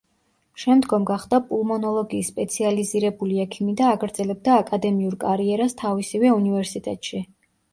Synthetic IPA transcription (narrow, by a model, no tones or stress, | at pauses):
ʃɛmd̪ɡɔmɡaχd̪apʼulˠmɔnɔlˠɔɡiːsːpʼɛt̪sʰializiɾɛbuliɛkʰimid̪aːɡɾd̪z̥ɛlɛb̚d̪aːkʼad̪ɛmiuɾkʼaɾiɛɾast̪ʰavisivɛunivɛɾsit̪ʼɛt̪ʼʃi